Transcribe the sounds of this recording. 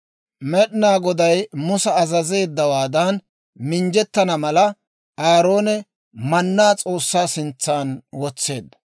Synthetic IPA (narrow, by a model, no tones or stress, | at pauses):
mɛɗɪnaːɡɔd̪ɐjmʊsɛːzɐze̞ːd̪ːɐwaːd̪ɐn | mɪnd͡ʒɛt̪ːɐnɐmɐlɐ | aːɾo̞ːnɛ | mɐnːaːt͡sʼo̞ːsːaːsɪnt͡sːaːnwɔt͡sːe̞̰ːd̪ːɐ̥